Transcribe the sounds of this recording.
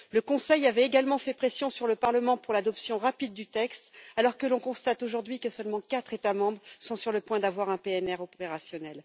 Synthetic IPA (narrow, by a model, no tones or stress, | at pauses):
ləkɔ̃sɛjavɛeɡalmɑ̃fɛpχesjɔ̃syʁləpaʁləmɑ̃puʁlad̪ɔpsjɔ̃ʁapid̪̚ːyt̪ɛkst̪alɔʁkəlɔ̃kɔ̃st̪at̪oʒuʁd̪ɥikəsœlmɑ̃kat̪χet̪amɑ̃bʁsɔ̃syʁləpwɛ̃d̪avwaʁɛ̃peɛnɛʁɔpeʁasjɔnɛl